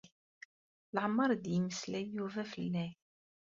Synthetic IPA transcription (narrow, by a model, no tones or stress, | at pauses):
lʕəmːɑɾˤd̪jəməslæjuvæfəlːæ